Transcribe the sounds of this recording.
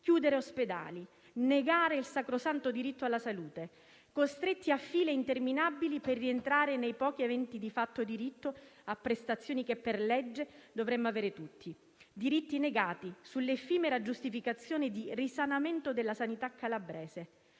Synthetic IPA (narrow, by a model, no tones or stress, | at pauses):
kjuːd̪eɾeosped̪a̰ːli | neɡaːɾeilsakɾosant̪od̪iɾit̪ːoalːasaluːt̪e | kost̪ɾet̪ːiafːiːleint̪erminabːiliperːient̪ɾaːɾenejpɔːk̟ievɛnt̪id̪ifat̪ːod̪iɾit̪ːoapːɾest̪at̪sːjoːnikepːerlɛd͡ʒːed̪ovɾɛmːoaveːɾet̪ut̪ːi | d̪iɾit̪ːineɡaːt̪isulːefiːmeɾad͡ʒust̪ifikat̪sːjoːnid̪irisanament̪od̪elːasanit̪akʰːalabɾɛːse